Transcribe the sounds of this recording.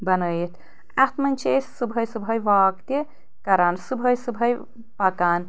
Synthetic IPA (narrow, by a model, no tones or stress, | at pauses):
bɐnəːjit̪ʰ | ɐt̪mɐnʲt͡ʃʰeːssɨbʱɐjsɨbʱɐjʋaːkt̪i | kɐɾaːnsɨbʱɐjsɨbʱɐj | pɐkaːn